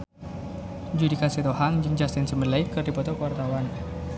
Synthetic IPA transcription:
d͡ʒudikasit̪ohaŋd͡ʒɨŋd͡ʒast̪ɪnsəməlajkɨrdipɔt̪ɔkəwart̪awan

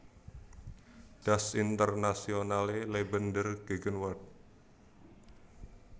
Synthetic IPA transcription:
ɖ̥asint̪ərnasionalelebəndərɡ̥eɡənwɔrt̪̚

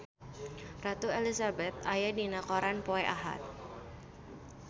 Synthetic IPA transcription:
rat̪uelisabɛt̪̚ajadinakɔɾanpoɛʔaɦa̰t̪̚

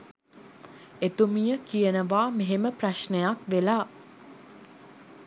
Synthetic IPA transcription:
et̪umijəkijənəʋaːmeɦeməpraʃnəjakʋelaː

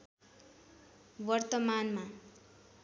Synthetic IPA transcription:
wʌrt̪ʌmanma

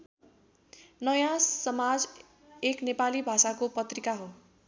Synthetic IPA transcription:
nʌjãsʌmad͡z | eknepalibʱasakopʌt̪rikaɦo

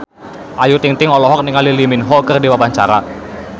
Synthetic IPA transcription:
ʔajut̪iŋt̪ɪŋɔlɔɦɔk̚niŋaliliminɦɔkərdiwapaɲt͡ʃaɾa

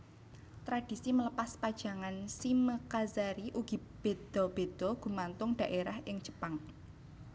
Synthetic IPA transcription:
t̪ɾad̥i̤simələpaspad̥ʒ̥a̤ŋansiməkazaɾiʔuɡ̥i̤b̥e̤d̪̥ɔ̤b̥e̤d̪̥ɔɡ̥ṳmant̪ʊŋɖ̥a̤ʔeɾahɪŋd͡ʒ̥ə̥paŋ

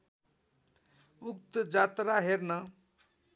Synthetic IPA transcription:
uk̚t̪d͡zat̪ɾaɦeɾnʌ

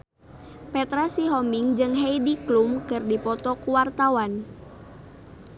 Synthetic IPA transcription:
pɛt̪ɾasiɦɔmiŋd͡ʒɨŋɦeidiklumkɨrdipɔt̪ɔkuwart̪awan

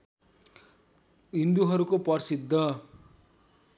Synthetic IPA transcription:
ɦĩnd̪uɦʌɾukopʌrsid̪ʱːʌ

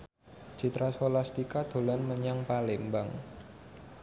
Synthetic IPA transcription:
d͡ʒ̥i̤t̪ɾasholast̪ikad̪̥o̤lanməɲaŋpalɪŋbaŋ

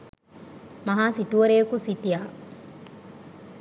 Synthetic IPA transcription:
mɐɦaːsituɐɾeːkusitijaː

